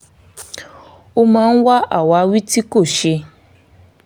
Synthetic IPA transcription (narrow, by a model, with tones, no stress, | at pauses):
o˦mãː˨˦˧n̩˦wa˦ʔa̰˦˨wa˨˦˧wi˦ti˦ko˦˨ʃe˧